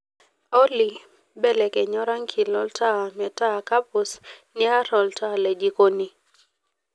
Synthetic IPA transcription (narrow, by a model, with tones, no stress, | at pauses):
ɔ˦li˨ | bɛ˦lɛ˨kɛ˨ɲɔ˦ɾa˦ŋkʰi˨lɔ˦ltʰa˦mɛ˨ta˦˨ka˦pu˨sni˦a˦ɾɔ˨ltalɛ˨d͡ʒi˨koni˨